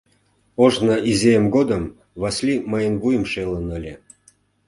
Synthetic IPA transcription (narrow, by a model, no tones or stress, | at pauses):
oʒnəʔizʲejəmɡod̪əm | βɑsʲlʲiməjənβujə̆mʃelənəlʲe